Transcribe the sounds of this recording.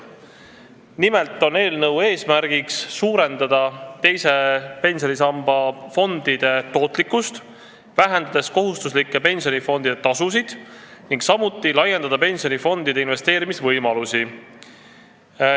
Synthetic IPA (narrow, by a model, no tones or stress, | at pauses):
nime̞lt̪ːˑo̞ne̞ːlnɤwe̞ːsmæɾɡ̥iksːuːɾe̞nd̪ɑd̪̥ɑt̪e̞jse̞pe̞nʲsjo̞nisɑmb̥ɑfo̞nd̪̥id̪̥e̞t̪o̞ːt̪ˑlikːust̪ | væɦend̪̥ɑd̪̥e̞sko̞ɦust̪uslikːˑepe̞nʲsʲio̞nifo̞nd̪id̪̥et̪ɑsusid̪̥niŋɡsɑmut̪ːˑilɑje̞nd̪ɑd̪̥ɑpe̞nsio̞nifo̞nd̪̥id̪einve̞st̪e̞ːɾimisvɤjmɑlusi